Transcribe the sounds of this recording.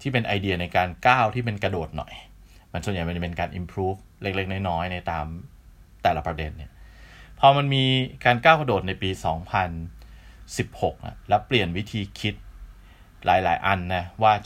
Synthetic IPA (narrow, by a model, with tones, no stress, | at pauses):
t̪ʰiː˥˩pe˧nʔa˧jdi˧ɐna˧jkaː˧nkaː˥˩wt̪ʰiː˥˩pe˧nkɾa˧doː˨˩t̪̚nɔ̰˨˩j | ma˧nsu˨˩˦nja˨˩jma˧nt͡ɕpe˧nkaː˧nʔḭ˧mpʰɾuː˦˥˩f | le˦˥˩k̚le˥˩k̚nɔː˥˩jnɔː˦˥jna˧jt̪aː˧m | t̪ɛː˨˩la˦˩pɾa˧de˧nːi˥˩ɐpʰɔː˧ma˧nmiː˧kaː˧nkaː˥˩wka˧doː˨˩t̪̚na˧jpiː˧sɔː˩˦ŋpʰa˧n | si˨˩p̚ho˨˩k̚na̰˧˩lɛ˦˥wpli˨˩ənwi˦˥t̪ʰiː˧kʰi˦˥t̪̚ | lʔaː˩˦jla̰ː˩˦jʔa˧nːa˦˥waː˥˩